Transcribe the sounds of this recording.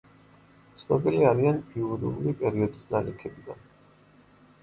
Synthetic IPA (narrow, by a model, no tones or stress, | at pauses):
t̪sʰnɔbiliaɾianiuɾiuɾipʼɛɾiɔd̪isd̪alikʰɛbiɡ̪a̰n